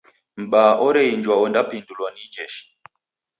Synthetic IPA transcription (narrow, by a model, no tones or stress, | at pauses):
m̩ɓaʔɔɾɛind͡ʒwaɔndapindulwɔnid͡ʒɛʃi̥